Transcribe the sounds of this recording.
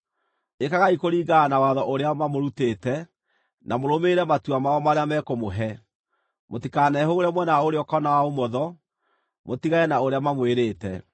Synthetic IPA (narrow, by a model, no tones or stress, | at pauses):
ekaɣaikoɾiːɡanawaðɔʔoɾeamamoɾutetɛ | namoɾomeɾɛmatuamaɔmaɾeamɛkomoɦɛ | motikanɛɦooɾɛmwɛnaoɾeɔkɔnawaomɔðɔ | motiɣaɛnaoɾeamamweɾeːtɛ